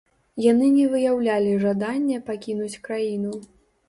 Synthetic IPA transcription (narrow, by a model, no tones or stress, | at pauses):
janɨnʲɛvɨjawlʲalʲiʐad̪anʲːɛpakʲinut͡sʲkɾajin̪u